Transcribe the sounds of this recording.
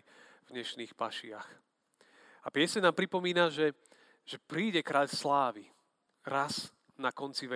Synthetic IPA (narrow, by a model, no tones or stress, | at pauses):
vɲɛʃniːxpaʃɪax | apɪɛsɛnaːmpɾipɔmiːnaʒɛ | ʒ̥ɛpɾiːɟɛkɾaʎslaːʋi | ɾaz | nakɔnt͡siʋɛ